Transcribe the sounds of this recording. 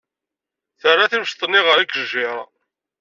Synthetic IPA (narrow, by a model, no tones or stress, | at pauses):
θərˤːaθimʃt̪ˤənːiʁəɾikːəʒɪɾˤɑ